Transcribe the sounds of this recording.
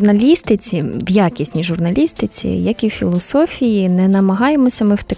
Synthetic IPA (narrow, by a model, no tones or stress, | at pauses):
nɐlʲist̪ɪt͡sʲiʋjakʲisʲnʲiʒʊrnɐlʲist̪ɪt͡sʲḭjɐkiwfʲilˠɔsɔfʲijinɛnɐmɐɦɑje̞mɔsʲɐmɪwt̪ɐ